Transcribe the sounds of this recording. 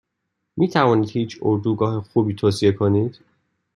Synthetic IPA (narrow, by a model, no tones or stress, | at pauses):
mʔiːt̪ʰævɒːniːd̪̥hiːt͡ʃʰoɾd̪uːɡɒːhexuːbiːt̪ʰoːsie̞kʰoniːd̪̥